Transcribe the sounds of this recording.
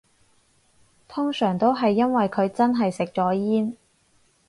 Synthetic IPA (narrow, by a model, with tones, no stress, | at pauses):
t̪ʰʊ˥ŋsœː˨˩ŋt̪o˥wɦɐ˨jːɐ˥nwɐ˨jkʰɵ˨˧ɥt͡sɐ˥nɦɐ˨jsɪ˨k̚t͡ʃɔː˨˥jiː˥n